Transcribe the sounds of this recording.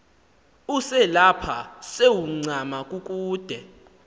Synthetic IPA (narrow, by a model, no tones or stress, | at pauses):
usɛlapʰasewuŋ͡ǀʱamakʼuk̬ʼuːd̥ʱɛ